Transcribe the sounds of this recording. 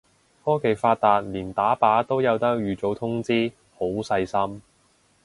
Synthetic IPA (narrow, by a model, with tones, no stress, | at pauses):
fɔː˥ke˨˩jfaː˧t̚t̪aː˨˧t̚liː˨˩nt̪aː˨˥paː˨˥t̪o˥wjɐ˨˧wt̪ɐ˥k̚jyː˨˧t͡so˨˥wt̪ʰʊ˥ŋt͡siː˥ | ho˨˥wsɐ˧jsɐ˥m